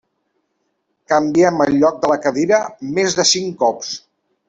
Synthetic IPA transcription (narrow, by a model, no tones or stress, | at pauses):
kəmbiɛməlʎɔk̚d̪ələkəðiɾəmezðəsiŋkɔps